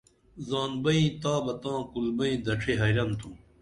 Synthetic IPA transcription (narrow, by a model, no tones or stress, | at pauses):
zaːnbɐĩt̪aːbɐt̪ãːkulbɐĩːd̪ɐʈ͡ʂʰeɦɐjɾɐnt̪ʰũː